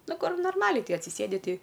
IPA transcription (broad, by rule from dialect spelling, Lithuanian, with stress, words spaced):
ˈnʊ ˈkʊr noːrˈmɑːlʲɛɪ ˈkɐɪ ɐtʲsʲɪˈsʲeːdʲɪ ˈtʲɛɪ